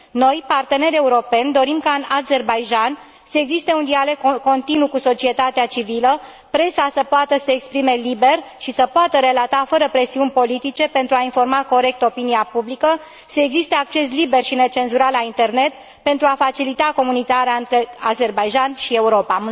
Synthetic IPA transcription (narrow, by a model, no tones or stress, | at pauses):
no̞jpart̪e̞ne̞ɾʲe̞uɾo̞pe̞nʲd̪o̞ɾimkaɨnaze̞rbajʒan | səeɡzist̪e̞und̪ialo̞ɡ̚kːo̞nt̪inukuso̞t͡ʃie̞t̪at̪eat͡ʃivilə | pɾe̞sasəpoat̪əsəekspɾime̞libe̞rʃisəpoat̪əɾe̞lat̪afəɾəpɾe̞siunʲpo̞lit̪it͡ʃe̞pe̞nt̪ɾuainfo̞rmako̞ɾe̞k̚t̪o̞piniapublikə | səeɡzist̪e̞ak̚t͡ʃe̞slibe̞rʃine̞t͡ʃe̞nzuɾalːaint̪e̞rne̞t̪ | pe̞nt̪ɾuafat͡ʃilit̪ako̞munit̪aɾeaɨnt̪ɾe̞aze̞rbajʒanʃie̞uɾo̞pa